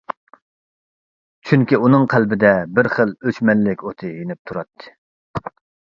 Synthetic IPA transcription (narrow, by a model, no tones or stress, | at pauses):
t͡ʃʰyŋkʲiunɨŋqʰælbɪd̪ɛbɪɾχəlˠøt͡ʃmɛlːɪkʲot̪ʰɨjenɪp̚t̪ʰuɾɑt̪ʰːɨ̥